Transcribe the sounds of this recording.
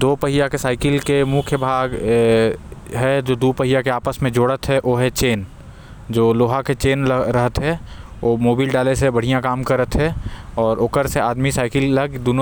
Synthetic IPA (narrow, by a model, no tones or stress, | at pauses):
d̪oːpəɦɪjakesaːɪkɪlkemʊkʰjəbʱaːɡ | ɦɛd͡ʒoːd̪uːpəɦɪjakeaːpəsmẽd͡ʒoːɽət̪ɦɛʔoːɦɛt͡ʃeːn | d͡ʒoːloːɦaket͡ʃeːnɾəɦət̪ɦɛ | oːmoːbiːlɖaːlesebɐɽ̤ijãkaːmkəɾət̪ɦɛɔːɾokəɾseaːd̪misaːɪkɪlləɡd̪ʊno